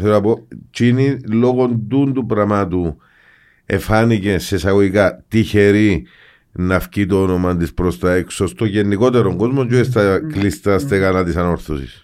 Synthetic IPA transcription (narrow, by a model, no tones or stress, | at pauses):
eɾopo̞t͡ʃinilo̞ɣo̞nd̪und̪upɾɐmat̪u | ḛfanice̞se̞saɣoikat̪içeɾi | nɐfcit̪oono̞mɐnd̪ispɾo̞st̪ɐekso̞st̪oʝenːiko̞t̪eɾoŋɡo̞zmond͡ʒuest̪ɐklist̪ɐst̪ekanat̪isɐno̞ɾθosḭs